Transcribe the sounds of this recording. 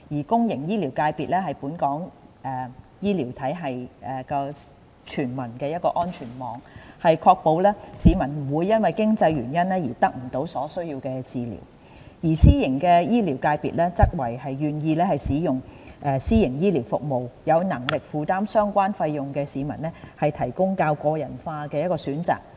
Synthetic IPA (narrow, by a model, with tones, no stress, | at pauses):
jiː˨˩kʊ˥ŋjɪ˨˩ŋjiː˥liː˨˩wkaː˧jpiː˨t̚lɛː˥hɐ˨jpuː˨˥nkɔː˨˥ŋʔɛː˨˩ | jiː˥liː˨˩wt̪ʰɐ˨˥jɦɐ˨jɛː˨˩kɔː˧ | t͡ʃʰyː˨˩nmɐ˨˩nkɛː˧jɐ˥t̚kɔː˧ʔɔː˥nt͡ʃʰyː˨˩nmɔː˨˧ŋhɐ˨jkʰɔː˧k̚po˧wlɛː˥siː˨˧˥mɐ˨˩nm̩˨˩wuː˨˧jːɐ˥nwɐ˨jkɪ˥ŋt͡sɐ˧jɥyː˨˩njɐ˥nɛː˥jiː˨˩t̪ɐ˥k̚m̩˨˩t̪o˨˧˥wsɔː˨˥sɵ˥ɥji˧wkɛː˧t͡siː˨lḭː˨˩w | jiː˨˩siː˥jɪ˨˩ŋkɛ˧jiː˥liː˨˩wkaː˧jpḭː˨t̚lɛː˥t͡sɐ˥k̚wɐ˨˩jhɐ˨jːyː˨njiː˧lɛː˥hɐ˨jsiː˨˥jʊ˨ŋʔɛː˧siː˥jɪ˨˩ŋjiː˥liː˨˩wfʊ̰˨k̚mo˨wjɐ˨˧wnɐ˨˩ŋlɪ˨k̚fuː˨t̪aː˥msœː˥ŋkʷaː˥nfɐ˧jːʊ˨˩ŋkɛː˧siː˨˧mɐ̰˨˩nlɛː˥hɐ˨jt̪ʰɐ˨˩jkʊ˥ŋkaː˧wkɔː˧jɐ˨˩nfaː˧kɛː˧jɐ˥t̚kɔː˧syː˨˥nt͡sa̰ː˨k̚